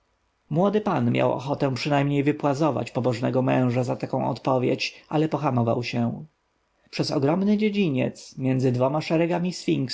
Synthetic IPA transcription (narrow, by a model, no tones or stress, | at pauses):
mwɔd̪ɘpanmʲjʔa̰wɔ̰xɔt̪ɛ̃pʂɘnajmɲejvɘpwazɔva̰t͡ɕpɔbɔʐnɛɡɔmɛ̃w̃ʐazat̪akɔ̃w̃ɔ̰t̪pɔvʲjḛt͡ɕʔalɛpɔxamɔva̰wɕɛ | pʂɛsɔ̰ɡɾɔmnɘd͡ʑed͡ʑiɲɛ̰t̪smʲjɛnd̪zɘd̪vɔmaʂɛɾɛɡamʲisfʲiŋks